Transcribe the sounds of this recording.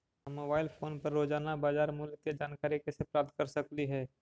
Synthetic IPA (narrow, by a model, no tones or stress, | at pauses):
moːbaːɪlpʰoːnpɐɾːoːd͡ʒaːnabaːd͡ʒaːɾmʊlət̪jad͡ʒaːnkaːɾikesepɾaːp̚t̪̚kɐɾsɐkliɦɛː